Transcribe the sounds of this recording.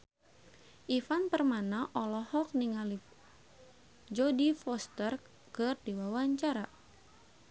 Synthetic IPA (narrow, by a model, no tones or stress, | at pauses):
ʔifanpərmanaʔɔlɔhɔk̚niŋali | d͡ʒɔdifɔst̪ər | kɨrdiwawaɲt͡ʃaɾa